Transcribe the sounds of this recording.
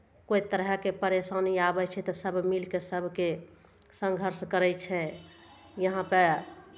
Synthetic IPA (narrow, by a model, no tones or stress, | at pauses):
kojt̪əɾɦəkepəɾesaniabɛt͡ʃʰɛt̪ɔsəbʱmilkesəbʱke | sə̃ŋɡʱəɾskəɾɛt͡ʃʰɛ | jəɦãpə